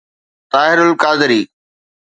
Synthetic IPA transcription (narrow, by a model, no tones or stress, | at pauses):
t̪aːɦɪɾʊlkaːd̪ɪɾiː